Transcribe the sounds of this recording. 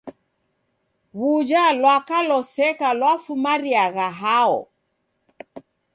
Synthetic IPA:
ɣud͡ʒalwakalɔsɛkalwafumaɾiaɣaɦaɔ̰

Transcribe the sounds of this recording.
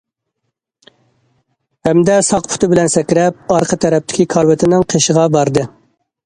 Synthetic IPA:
hɛmd̪ɛsɑqpʰʊ̥t̪ʰɨbɪlɛnsɛkʲɾɛp̚ɑɾqʰət̪ʰɛɾɛp̚t̪ʰɪ̥kʲikʰɑɾwɪt̪ʰɪnɪŋqʰeʃəʁɑbɑɾd̪ɨ

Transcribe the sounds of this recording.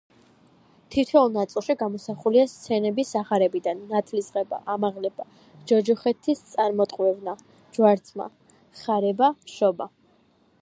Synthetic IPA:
t̪ʰit̪ʰɛulˠnat̪sʼilˠʃiɡamɔsaχuliast̪sʰɛnɛbisaχaɾɛbid̪anːat̪ʰlisʁɛba̰ʔamaʁlɛb̥a | d͡ʒɔd͡ʒɔχɛt̪ʰːist̪sʼaɾmɔt̪ʼqʼwɛvna | d͡ʒwaɾt̪sʰʼma̰ | χaɾɛbaʃɔba

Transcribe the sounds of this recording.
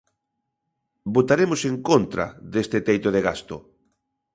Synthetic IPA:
bot̪aɾemoseŋkont̪ɾa̰ðest̪et̪ejt̪oðeɣast̪o

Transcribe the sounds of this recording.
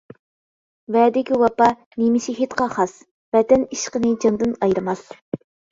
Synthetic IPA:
vɛd̪ɪkʲiwɑpɑ | nemɪʃiɦit̪qʰɑχɑs | vɛt̪ɛniʃqənɨd͡ʒɑnd̪ɨnɑjɾɨmɑs

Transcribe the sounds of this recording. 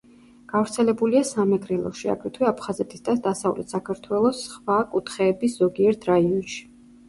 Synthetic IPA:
ɡ̥avɾt̪sʰɛlɛbuliasamɛkʼɾɛlˠɔ̰ʃia̰ɡʰɾɛt̪ʰwɛapʰχazɛt̪ʰʼisd̪ad̪asavlɛ̰t̪ʰsakʰaɾt̪ʰwɛlˠɔsχvakʼut̪ʰχɛːbisz̥ɔɡiɛɾt̪ʰɾaiɔnʃi̥

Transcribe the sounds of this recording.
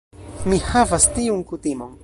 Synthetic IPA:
mihavast̪iuŋkut̪imoŋ

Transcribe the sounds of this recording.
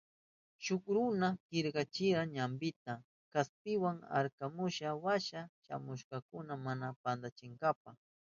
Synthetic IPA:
ʃʊkɾʊnakɪɾkɑt͡ʃɪɾaɲambɪt̪a | kasp̪ɪwaŋa̰ɾkamʊʃawaʃaʃa̰mʊʃkɑkʊnamanapand̪at͡ʃɪŋɡap̚aχ

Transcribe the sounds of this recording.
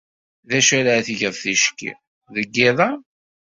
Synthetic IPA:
ðæʃæɾaθʝəðˤθiʃkḭ | ðəɡːiðˤɑ

